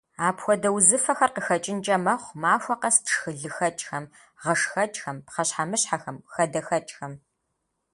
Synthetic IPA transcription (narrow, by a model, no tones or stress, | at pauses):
aːpxʷɔdɐwzɨfɐxɐrqəxɐt͡ʃʼɪnt͡ʃʼɐmɐχʷmaːfʷɐqɐstʂxɨɮɨxɐt͡ʃʼxɐm | ʁɐʂxɐt͡ʃʼxɐmpqɐɕħamɨɕħaxɐmxɐdɐxɐt͡ʃʼxɐm